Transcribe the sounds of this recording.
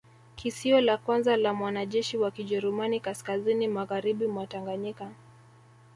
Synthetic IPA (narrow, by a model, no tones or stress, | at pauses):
kʰisiɔlakwanzalamwanaʄɛʃiwakiʄɛɾumanikaskazinimaɣaɾiɓimwataŋɡaɲika